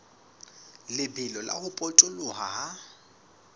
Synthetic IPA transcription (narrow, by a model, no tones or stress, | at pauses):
lɪbɪlɔla̰hʊpʼɔt͡ʃʼʊlʊɦaɦa